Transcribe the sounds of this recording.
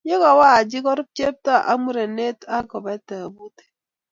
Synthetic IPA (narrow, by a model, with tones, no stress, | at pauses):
je˦kɔ˨wa˦˨d͡ʒi˦kɔ˦ɾu˦p̚t͡ʃe˦p̚ta˦˨ʔa˦mu˦˨ɾe˨ne˦ta˦kɔ˨ba˦ta˨bu˦te̥˦